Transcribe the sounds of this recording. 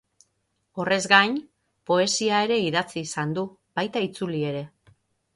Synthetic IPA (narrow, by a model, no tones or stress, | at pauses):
o̞re̞zɡajɲ | po̞e̞siae̞ɾe̞iðat͡siːsand̪u | β̥ajt̪ait͡sulie̞ɾe̞